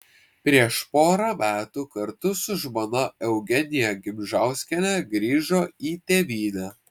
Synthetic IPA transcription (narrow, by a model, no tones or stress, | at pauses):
pʲɾʲiɛʃpoːɾɐmʲæːt̪uːkɐɾt̪ʊsʊʒmoːnɐɛʊɡʲɛnʲɪjɛɡʲɪmʲʒɑˑʊsʲkʲɛlʲɛɡɾʲiːʒoːiːt̪ʲeːʋʲiːnʲæː